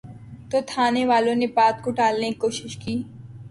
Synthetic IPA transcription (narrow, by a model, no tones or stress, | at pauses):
t̪oːt̪ʰaːneʋaːlõnepaːt̪̚koʈaːlnekikoːʃɪʃkiː